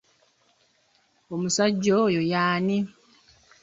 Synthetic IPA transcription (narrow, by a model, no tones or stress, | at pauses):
omusaɟːojojaːni